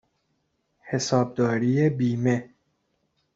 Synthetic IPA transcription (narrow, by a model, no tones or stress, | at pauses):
he̞sɒːb̚d̪ɒːɾijebiːme